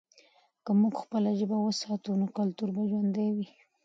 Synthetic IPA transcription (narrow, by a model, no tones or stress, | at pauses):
kəmuɡxpəlaʒəbawəsɑt̪unokalt̪uɾbaʒwand̪awi